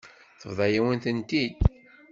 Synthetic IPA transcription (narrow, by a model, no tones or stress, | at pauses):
θəvðˤɑjawənt̪ənt̪id̪